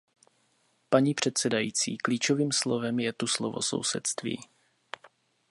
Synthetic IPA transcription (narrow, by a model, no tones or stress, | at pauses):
paɲiːpr̝̥ɛt̪sɛdajiːt͡sḭːkliːt͡ʃoviːmslovɛmjɛt̪uslovo̰so̞̰wsɛt̪st̪vḭː